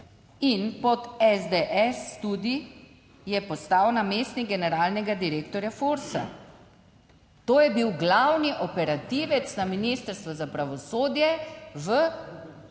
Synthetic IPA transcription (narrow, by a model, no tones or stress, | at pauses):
inpɔt̪ɛzd̪eʔɛst̪ud̪i | jɛpɔst̪awnameːst̪niɡɛnɛɾaːlnɛɡad̪iɾeːkt̪ɔɾjafuɾsa̰ | t̪oːjɛbiwɡlawniʔɔpɛɾat̪iʋɛt̪snaminist̪əɾst̪ʋɔzapɾaʋɔsoːd̪jɛʋə